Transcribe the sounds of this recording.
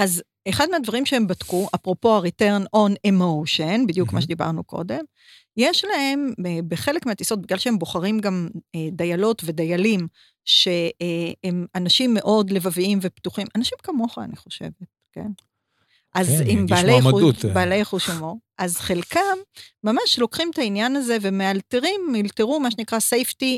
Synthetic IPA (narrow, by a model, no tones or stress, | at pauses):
az | eχad̪̚meadvaʁimʃeembatkuʔapʁo̞po̞aʁiteʁno̞nemowʃenbid̪jukmaʃed̪iba̰ʁnuko̞̰de̞m | jeʃlahe̞mbeχe̞lekmeat̪iso̞t̚biɡlalʃeemboχaʁimɡamed̪ajalo̞tve̞dajalim | ʃe̞emanaʃimːe̞ʔo̞dle̞vaviimvept̪uχimʔanaʃimkamo̞χa̰ːniχo̞ʃe̞̰vet̚ | ke̞̰n | ʔazimbalejubaːlejχuʃamoʔazχelkamːamaʃlo̞kχimt̪ainjanaze̞vemealteʁimːilteʁumaʃ̬enikʁasejfti